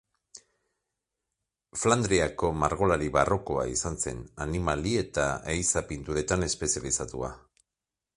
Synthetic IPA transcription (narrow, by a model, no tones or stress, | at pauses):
fland̪ɾiako̞maɾɣo̞laɾiβaro̞ko̞a̰isanse̞̰nanimalie̞t̪aejsapint̪uɾe̞t̪ane̞spe̞sialisat̪ua̰